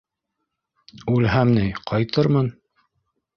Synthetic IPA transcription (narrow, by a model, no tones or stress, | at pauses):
ʉlɦæmnɘjqʰɑjt̪ɤɾmɤn